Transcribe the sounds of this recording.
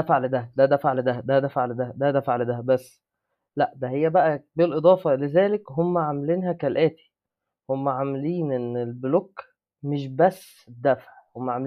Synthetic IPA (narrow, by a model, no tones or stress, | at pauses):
æfaʕld̪æd̪æd̪æfaʕld̪æd̪æd̪æfaʕld̪æd̪æd̪æfaʕled̪æbæsː | læʔd̪æhejːæbæʔæbelʔed̪ˤɑːfɑlezæːlekhomːæʕamliːnɦækælʔæːt̪i̥ | homːæʕameliːnʔenːelblok | meʃbæsː | d̪ːæfʕhomːæʕam